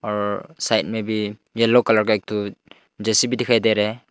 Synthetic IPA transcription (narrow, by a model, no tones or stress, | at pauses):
ɔɾsajt̚mebijelːɔkalaɾkajk̚tʰu | d͡ʒesibidikʰajdajɾe